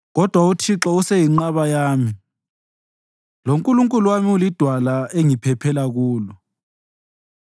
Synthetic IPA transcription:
ɣɔd̥ʱwautʰiǁɔusejiŋ͡ǃaβajaːmi | loŋkʼuluŋkʼuluwamiulid̥ʱwalaeŋipʰɛpʰɛlaɣuːlɔ

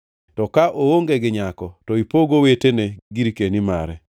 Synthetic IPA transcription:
tɔkaʔowoŋɡeɡɪɲakɔtɔipoɡoweteneɡiɾikenima̰ɾɛ

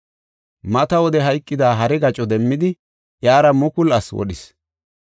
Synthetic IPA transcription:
mɐt̪ɐwɔd̪ɛɦɐjkʼːɪd̪aːɦɐɾɛɡɐt͡ʃʼɔd̪ɛmːɪd̪ɪ | jaːɾɐmʊkʊlɐswɔ̰ɗɪs

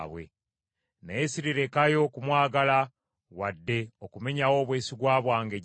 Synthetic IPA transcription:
βwe̞̰ | najesiɾiɾe̞kajo̞kumwaːɡala | wadːe̞okume̞ɲawo̞ːβwe̞ːsiɡwaːβwaːŋɡeɟ

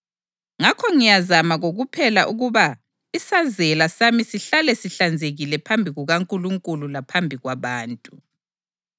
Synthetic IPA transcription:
ŋakʰɔŋijazamaɣoɣupʰɛlaʔuɣuβa | isazɛlasamisiɬalɛsiɬand͡zʱeɣilɛpʰambʱiɣuɣaŋkʼuluŋkʼululapʰambʱiɣwaβaːntʼu

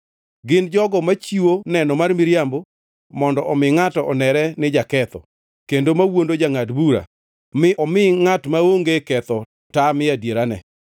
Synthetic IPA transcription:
ɡɪnd͡ʒɔɡɔmat͡ʃiwonɛnɔmarmɪɾjambo | mɔndɔʔɔmɪŋatɔʔɔnɛɾɛnɪd͡ʒakɛt̪ɔ̰ | kendomawondod͡ʒaŋadbuɾa̰ | mɪʔɔmɪŋatmaoŋɡekɛt̪ɔ | tamɪadjeɾanɛ̰

